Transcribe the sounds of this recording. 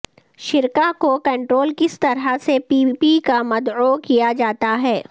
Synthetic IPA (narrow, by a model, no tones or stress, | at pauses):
ʃɪɾkakokɐ̃ɳʈɾoːlkɪst̪ɐɾɦasepiːpikamɐd̪okijad͡ʒaːt̪aɦɛː